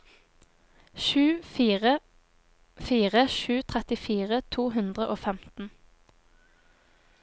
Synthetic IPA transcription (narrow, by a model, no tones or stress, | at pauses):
ʃʉːfiːʁə | fiːʁəʃʉːt̪ʰʁɛt̪ɪfiːʁət̪ʰuːɦʉnd̪ʁəʔoːfɛmt̪n̩